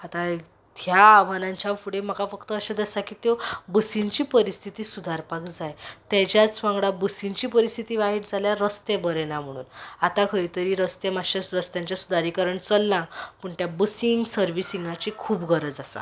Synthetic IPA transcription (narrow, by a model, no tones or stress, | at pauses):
at̪ã | t̪ʰjaʋanãɲt͡ɕjafuɽem̤əkafəkt̪əːɕad̪əsakit̪jobəsint͡ɕiːpəɾist̪ʰit̪iːsud̪ʱaɾpakd͡zajt̪jat͡ɕjat͡sʋãŋɡɽabəsint͡ɕiːpəɾist̪ʰit̪iʋaɦiʈd͡zʱaljaɾəst̪ebəɾɛnam̤əɽ̃ṵːnat̪akʰəjt̪əɾiɾəst̪emaɕəsɾəst̪jãɲt͡ɕjasud̪aɾikəɾəɳt͡səlːãpəɳt̪jabəsiŋɡsəɾʋisiŋɡat͡ɕikʰuːbɡʱəɾəd͡zasa̰